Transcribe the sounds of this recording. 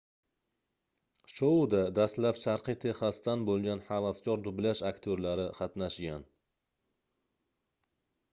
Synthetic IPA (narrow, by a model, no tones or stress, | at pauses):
ʃod̪ad̪ast̪lapʃaɾqɨt̪ʰe̞χast̪anbolˠɡʲanħavaskʰʲɒɾd̪ʊblaʃakt̪ʰoɾlaɾɪqʰɑt̪naʃɡʲan